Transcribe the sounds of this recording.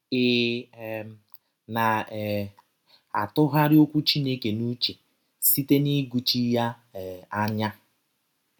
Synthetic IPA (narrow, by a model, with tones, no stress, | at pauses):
ɪ˨ | na˨ | a̰˨tʊ˦ɦa˦ɾɪ˦o˦kʷu˦t͡ʃi˦ne˦ke˨nu˦t͡ʃe˨ | si˦te˦ni˦ɡu˨t͡ʃi˦ja˦˨ | a˦ɲa˦